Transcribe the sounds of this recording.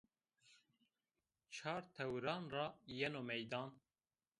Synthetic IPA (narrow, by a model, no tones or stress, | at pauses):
t͡ʃʰɑːɾt̪ʰɛwɾɑːnrɑːjɛnoːmɛjd̪ɑːn